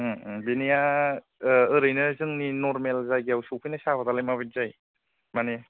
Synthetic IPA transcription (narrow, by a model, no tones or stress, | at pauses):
binija | ɯɾɯjnɯzɯŋninɔɾmelzajɡijawsupʰɯjnasabat̪alajmaβit̚zaj | mane